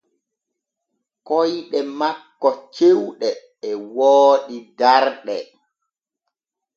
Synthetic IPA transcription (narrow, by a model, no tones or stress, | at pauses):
kɔjɗɛmakːɔt͡ʃewɗɛː | wɔːɗidaɾɗɛ